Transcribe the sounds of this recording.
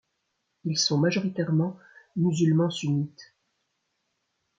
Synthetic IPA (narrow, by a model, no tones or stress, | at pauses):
ilsɔ̃maʒɔʁit̪ɛʁmɑ̃ | myzylmɑ̃synit̪